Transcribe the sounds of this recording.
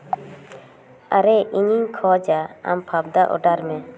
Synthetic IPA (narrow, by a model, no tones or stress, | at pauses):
aɾɛʔiɲiɲkʰɔd͡ʒaa̰mpʰab̚d̪aʔɔ̰ɖaɾmɛ